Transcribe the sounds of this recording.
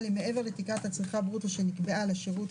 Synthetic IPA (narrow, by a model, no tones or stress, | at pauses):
lemee̞ve̞ʁetikathat͡sʁiχabʁutaʃenikbealeaʃeʁut